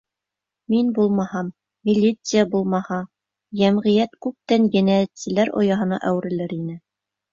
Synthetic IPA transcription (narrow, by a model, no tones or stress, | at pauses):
minbulˠmɑhɑmːʲ | ilʲːit̪sɨjabulˠmɑhɑ | jæmʁɘ̆jæt̪kʉp̚t̪ænjɘ̆næt̪sɘ̆læɾo̰jɑɦɤ̆nɑ̰ʔæwɘ̆ɾɘ̆lɘɾinɘ